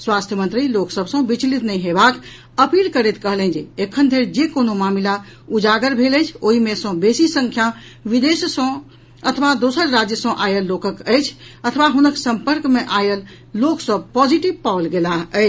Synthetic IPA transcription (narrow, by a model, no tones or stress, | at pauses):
swast̪ʰjəmənt̪ɾiloksəbsə̃bit͡ʃlit̪nəjɦebak | əpilkəɾɛt̪kəɦlɛ̃nd͡ʒeekʰːənd̪ʱeɾd͡ʒekonomamila | ud͡ʒaɡəɾbʱeləjt͡ʃʰoɦimesə̃besisə̃ŋkʰja | ʋid̪essə̃ | ət̪ʰʋad̪osəɾɾad͡ʒjəsə̃ʔajəlːokəkəjt͡ʃʰət̪ʰʋaɦunəksəmpəɾkmeʔajəlː | oksəb̚pɔd͡ʒiʈib̚paolɡelaɦəjt͡ʃʰ